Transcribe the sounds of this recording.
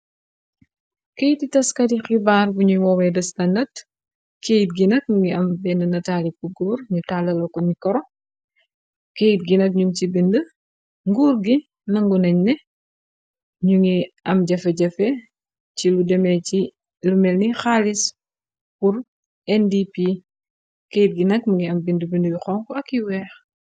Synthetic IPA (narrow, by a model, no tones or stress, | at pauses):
kejtitɐskɐdixibaːrbuɲuwɔwɛdɐstɐndɐt | kejit̚ɡinɐk̚ɲuŋɡiɐmbɛnənɐtaːlikuɡuːrɲutalɐlɔkɔnikɔɾɔ | kejit̚ɡinɐk̚ɲuŋcibində | ŋɡuːrɡi | nɐŋɡunɛɲnɛ | ɲuŋiɐmɟɐfɛɟɐfɛ | ciludɛmɛci | lumɛlnixaːlis | puɾ | ɛndipi | keːjit̚ɡinɐkmuŋɡiɐmbindəbindəjuxɔŋkɔɐkːiwɛːx